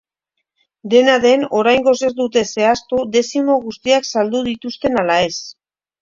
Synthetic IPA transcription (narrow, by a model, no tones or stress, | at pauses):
d̪e̞naðe̞no̞ɾajŋɡo̞se̞ɾd̪ut̪e̞se̞ast̪ud̪e̞simo̞ɣ̞ust̪iaksald̪uð̞it̪ust̪e̞nalae̞s